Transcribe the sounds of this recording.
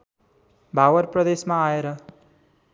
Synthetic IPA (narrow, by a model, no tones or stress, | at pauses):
bʱawʌɾprʌd̪esmaːeɾʌ